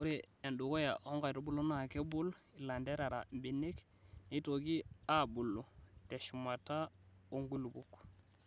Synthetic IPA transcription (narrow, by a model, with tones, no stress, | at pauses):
u˦ɾi˦˨e˨ndu˨ɡo˦ja̰˨ʔo˦ŋɡa˨ɾo˦bu˦lo˦na˦˨ke˦bu˦l | i˨la˨nde˦ɾa˨ɾa̰˨mbi˨ni˦k | ni˦to˨ɡi˦a˦bu˨lːu˨te˨ʃu˨ma˨ta˦o˦ŋɡu˦lu˨bu˨kː